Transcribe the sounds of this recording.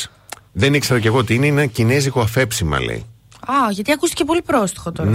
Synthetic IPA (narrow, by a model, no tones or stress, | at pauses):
ðe̞nikseɾɐceɣo̞ot̪iineenɐcineziɣoɐfe̞psimɐ̰lḛḭ | ɐʝɐt̪iɐkust̪i̥ce̞po̞lipɾost̪i̥xot̪oɾn